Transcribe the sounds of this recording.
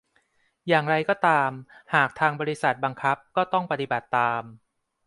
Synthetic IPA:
jaː˨˩ŋɾa˧jkɔː˥˩t̪aː˧mhaː˨˩k̚t̪ʰaː˧ŋbɔː˧ɾi˦˥sa˨˩t̪̚ba˧ŋkʰa˦˥p̚kɔː˥˩t̪ɔ˥˩ŋpa˧t̪i˨ba˨˩t̪ːaː˧m

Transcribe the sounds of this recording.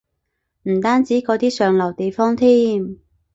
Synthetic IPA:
m̩˨˩t̪aː˥nt͡siː˨˥kɔː˨˧˥t̪iː˥sœː˨˧ŋlɐ˨˩wt̪e˨jfɔː˥ŋt̪ʰiː˥m

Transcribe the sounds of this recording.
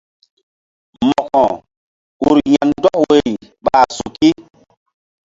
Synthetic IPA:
mɔ˨kɔ̃˨ | u˨ɾja˨ndɔ˦kwe˨i˨ɓaː˨su˨ki˦

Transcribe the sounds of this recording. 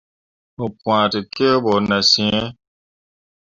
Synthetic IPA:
o˨pw̃ã˨tɨ˨ke˦bɔ˨nã˨sĩ˨ɛ̃˦

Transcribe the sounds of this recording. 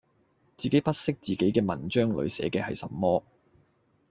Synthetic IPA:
t͡siː˨ke˨˥jpɐ˥t̚sɪ˥k̚t͡siː˨ke˨˥jkɛː˧mɐ˨˩nt͡ʃœː˥ŋlɵ̰˨˥ɥsɛ̰ː˨˥kɛː˧hɐ˨jsɐ̰˨mːɔː˥

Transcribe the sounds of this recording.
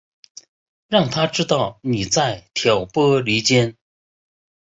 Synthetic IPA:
ɻɑ˥˩ŋt̪ʰa˥ʈ͡ʂɻ̩˥t̪ɑ˥˩ʊni˨˩t͡sa˥˩ɪt̪ʰjɑ˨˥ʊpɤ˥li˧˥t͡ɕjɛ˥n

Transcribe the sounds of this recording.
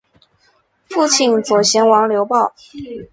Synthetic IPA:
fu˥˧t͡ɕʰi˥˩nt͡swɔ˨˩ɕjɛ˧˥nwɑ˧˥ŋljo˧˥ʊpɑ˥˩ʊ

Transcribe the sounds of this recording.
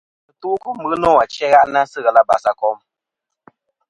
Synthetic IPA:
ɨ˨tu˦˨˦ku˦mɨ˨˦nɔ˦˨a˨t͡ʃɛ˦ɣa˦ʔna˦sɨ˦ɣɛ˨la˦ba̰˨sa˨kɔ˦m

